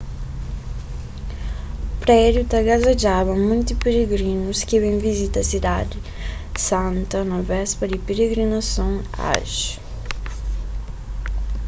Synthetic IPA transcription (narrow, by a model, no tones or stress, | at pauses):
pɾɛdjut̪ɐɡazad͡ʒavɐ̃mũnt̪ipeɾeɡɾĩnʊskɪvẽj̃vizit̪ɐɐsid̪ad̪ɪ | sɐ̃nt̪ɐnɐvɛspɐd̪ɪpeɾeɡɾinasɐ̃w̃a̰ʒ